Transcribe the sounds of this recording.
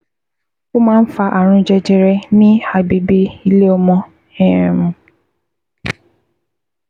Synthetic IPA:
ko˦mãː˦n̩˦fa˧ʔa˨ɾ̃ũ˨˧d͡ʒɛ˧d͡ʒɛ˨ɾɛ˧nĩ˦a˨bi˨bi˧i˧le˦ɔ˧mɔ̃˧ | ɛ˦˨ɾɛ̃˨mũ˨

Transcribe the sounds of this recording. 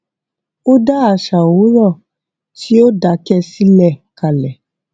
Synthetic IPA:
o˦da˦a˨ʃa˨o˨˦ɾɔ˦˨ | ti˦o˦da˨˦kɛ˦˧si˦lɛ˦˨ka˨lɛ˨

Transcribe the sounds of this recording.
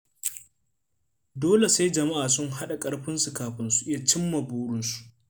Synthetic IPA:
doː˦le˨sa˦jd͡ʒɐ˨ma˦ʔaː˨sʊ˦ŋɦa˦ɗa˨kʼɐ˦ɽɸɪ˦nsu˨kaː˨ɸɪ˦nsu˨ʔɪ˦ja˨t͡ʃɪ˦mːɐ˨buː˦ɽʊ˦nsu̥˨ʔ

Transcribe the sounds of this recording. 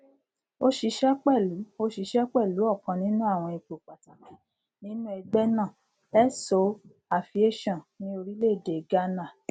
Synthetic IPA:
o˦ʃi˧ʃɛ˦k͡pɛ˦˨lu˨˦o˦ʃi˧ʃɛ˦k͡pɛ˦˨lu˨˦ɔ˦˨kã˨˧nĩ˦nũ˦a˦˨w̃ɔ̃˧i˧k͡po˨k͡pa˨ta˨mã˨ | nĩ˦nũ˦ɛ˧ɡ͡bɛ˦nã˦˨ | ɛ˦so˨˦ | a˨fi˧e˦˨ʃɔ̃˦˨nĩ˦o˧ɾi˦le˦˨de˨ɡa˦na˦˨

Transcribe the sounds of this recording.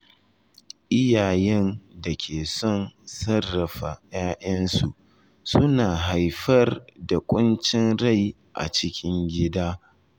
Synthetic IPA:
ʔɪ˦jaː˨jɛ˦nda˨kʲʰeː˨sɔ˦˨nsɐ˦rːɐ˨ɸa˨jaː˦ʔɐ˦nsu˨ʔ | sʊ˦naː˨ɦa˨jɸɐ˦rda˨kʷʼʊ˦nt͡ʃɪ˦nɽa˦˨j | ʔa̰˨t͡ʃɪ˦kʲʰɪ˦ŋɡʲɪ˦daː˦

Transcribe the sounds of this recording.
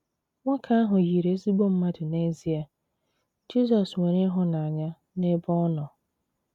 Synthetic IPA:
ŋʷã˦kʰa˦a˦ɦʊ̃˨ji˨ɾe˨˦si˦bo˦m̩˦mã˦dʊ˨ne˦zi˨˦a˨ | d͡ʒi˦sɔ˨swɛ̃˨ɾɪ̃˦ɦʊ˦nã˨a˨ɲã˦ | ne˦bɔ̃˦nɔ̃˨

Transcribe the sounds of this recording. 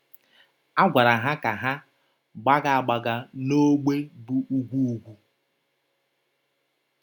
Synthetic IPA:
a˦ɡʷa˨ɾa˨ɦa˦ka˨ɦa˦ | ɡ͡ba˦ɡa˨a˨ɡ͡ba˨ɡa˨no˦ɡ͡be˦bu˨ʔu˦ɡʷu˦u˦ɡʷu˦

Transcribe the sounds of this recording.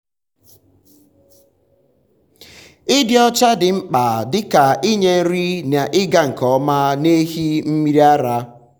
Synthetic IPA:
ɪ˦dɪ˦ɔ˦t͡ʃa˦dɪ˨ŋ͡m̩˦k͡pa˨dɪ˦ka˨ɪ˦ɲe˦n̩˦ɾi˦na˨ʔɪ˦ɡa˦ŋ̩˨kɔ˨˦ma˦ne˦ɦi˦m̩˦mi˦ɾi˦a˦ɾa˦

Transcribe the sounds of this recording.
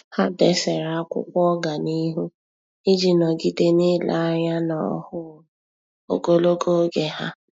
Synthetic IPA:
ha˦dɛ˦sɛ˨ɾa˨a˦kʷʊ̰˦kʷɔ˦ɡa˨ni˦ɦu˦ | ɪ˦d͡ʒi˨nɔ˨ɡi˦de˦nɪ˦la˨a˦ɲa˦na˨ɔ̰˦˨hʊ˦ | o̰˨ɡo˦lo˦ɡo˦ɡe˨ha˦

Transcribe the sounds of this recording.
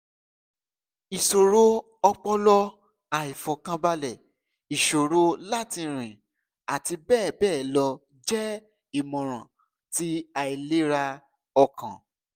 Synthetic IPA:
i˨so˨ɾo˦ | ɔ˧k͡pɔ˦lɔ˦ | a˨i˨fɔ˨kã˧ba˧lɛ˨ | i˨ʃo˨ɾo˧˦la˦˨ti˧ɾ̃ĩ˨ | a˨ti˧bɛː˦˨bɛː˦˨lɔ˧ | d͡ʒɛ˦ | i˦˨mɔ̃˨ɾ̃ã̰˨ | ti˦a˨i˨le˦ɾa˧ | ɔ˧kʰã̰˨

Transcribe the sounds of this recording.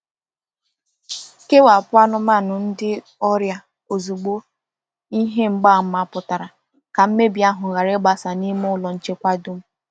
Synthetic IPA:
ke˦wa˨pʊ˦a˦nʊ˦ma˦˨nʊ˨n̩˦dɪ˦ | ɔ˦ɾja˨ | o˨zu˨ɡ͡bo˦ | i˦ɦe˦ŋ͡m̩˦ɡ͡ba˦˨m̩˦ma˦˨pʊ˨ta˨ɾa˨ | ka˨m̩˦me˦bi˨˦a˦ɦʊ˨ɣa˨ɾɪ˦ɡ͡ba˨sa˨ni˦m˦ʊ˦lɔ˨n̩˦t͡ʃe˦kʷa˦dʊ˦m̩˦

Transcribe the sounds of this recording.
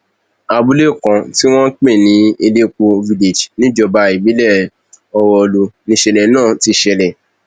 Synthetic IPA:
a˧bu˦le˦˨kã˨ti˦w̃ɔ̃˦k͡pẽ˦˨nĩ˨˦e˧le˦k͡po˧vi˧le˨d͡ʒnĩ˦d͡ʒɔ˧ba˧i˨bĩ˨˦lɛ˦˨ | ɔ˧wɔ˧lu˧nĩ˧˦ʃɛ˧lɛ˨nãː˦˨ti˧˦ʃɛ˧lɛ˨

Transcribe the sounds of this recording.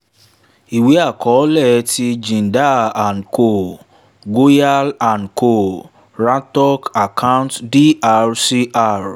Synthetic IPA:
i˨we˨˦a˦˨kʰɔ˨˦lɛ˦˨ti˧d͡ʒĩ˨n˨da˦˨a˨nko˨ | ɡo˦ja˦la˨nkʰo˨ | ɾã˦ntɔ˦ka˨kʰã˦ʊ̃˦ntdi˦a˦˧ɾsi˧ʔa˦ɾ

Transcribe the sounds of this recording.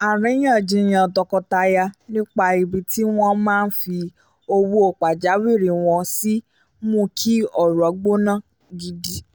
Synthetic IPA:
a˨ɾɛ̃˨˦j̃ã˦˨d͡ʒĩ˧˦j̃ã˧˨dɔ˧kɔ˧ta˧ja˧nĩ˦k͡pa˧i˧bi˧ti˦w̃ɔ̃˦mãː˦˧n̩˦fi˧ | o˧wu˦o˦˨k͡pa˨d͡ʒa˨˦wi˦˨ɾi˨w̃ɔ̃˧si˦ | mũ˦˨˦kʰi˦ɔ˨ɾɔ˨˦ɡ͡bo˦nã˦˨ | ɡi˧di˦

